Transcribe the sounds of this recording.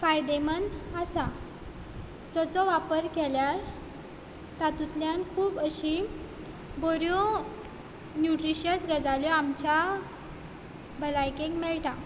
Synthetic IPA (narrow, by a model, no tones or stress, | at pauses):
fajd̪emənasa | t̪ɔt͡sɔʋapəɾkeljaɾ | t̪at̪ut̪ljankʰuːbəɕi | bɔɾjɔ | njuʈɾiɕəsɡəd͡zaljɔamt͡ɕa | bʱəlajkẽŋɡmɛɭt̪a